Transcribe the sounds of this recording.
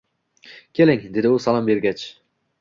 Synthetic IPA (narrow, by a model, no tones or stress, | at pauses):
kʲʰelɪŋd̪ed̪ɪusɑlˠɑmbeɾɡʲɛt͡ʃ